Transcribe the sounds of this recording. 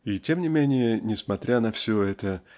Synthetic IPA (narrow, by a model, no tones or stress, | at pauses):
itʲe̞mnʲɪmʲenʲɪjənʲɪsmɐt̪ɾʲanɐfsʲoɛt̪ə